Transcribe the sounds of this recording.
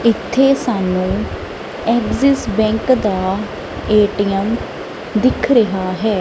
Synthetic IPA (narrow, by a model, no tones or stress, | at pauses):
ɪt̪ʰːeːsaːnːũː | ɛːɡzɪsbɛ̃ːŋkd̪aː | eːʈɪjəm | d̪ɪkʰɾəɦaːɦɛː